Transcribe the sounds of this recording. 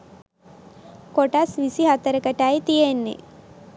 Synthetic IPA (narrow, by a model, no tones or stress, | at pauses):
koʈasʋisiɦat̪əɾəkəʈajt̪ijenːḛ